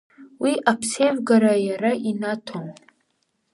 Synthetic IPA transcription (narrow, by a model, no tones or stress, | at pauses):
wiʔapʰsejvɡaɾajaɾaʔinatʰom